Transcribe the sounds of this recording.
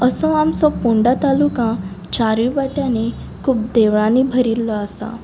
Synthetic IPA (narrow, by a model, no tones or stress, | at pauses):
əsɔ̃amsɔ̃puɳɖãt̪alukãt͡ɕaɾibaʈjãne | kʰuːbd̪eʋɭãnibʱəɾilːɔasa̰